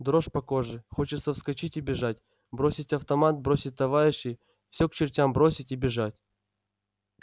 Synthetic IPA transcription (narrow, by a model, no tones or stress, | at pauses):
d̪ɾo̞ʂpɐko̞ʐɨxo̞t͡ɕɪt̪səfskɐt͡ɕitʲibʲɪʐatʲ | bɾo̞sʲɪtʲɐft̪ɐmat̪̚bɾo̞sʲɪt̚ʲt̪ɐvaɾʲɪɕːɪ | fsʲɵkt͡ɕɪrtʲambɾo̞sʲɪtʲibʲɪʐatʲ